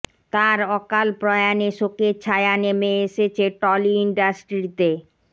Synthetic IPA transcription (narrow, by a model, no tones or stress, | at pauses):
t̪aɾɔkalpɾɔjaneʃoket͡ɕʰaeanemeeʃet͡ɕʰeʈɔliiɳɖasʈɾit̪e